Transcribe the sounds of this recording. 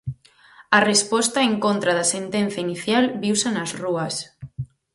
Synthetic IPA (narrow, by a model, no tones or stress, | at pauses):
ɐrespɔst̪ɐeŋkont̪ɾaðɐsent̪en̟θjainiθjalβiwsanɐzruɐs